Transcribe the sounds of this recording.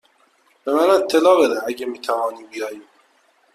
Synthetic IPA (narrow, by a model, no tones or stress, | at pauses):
b̥emænet̪ʰːelɒːbed̪eæɟemiːt̪ʰævɒːniːbijɒːjiː